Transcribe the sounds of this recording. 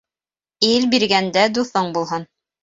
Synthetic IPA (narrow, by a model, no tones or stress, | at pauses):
ilbiɾɡænd̪æd̪uθɤɴbulˠɦɤn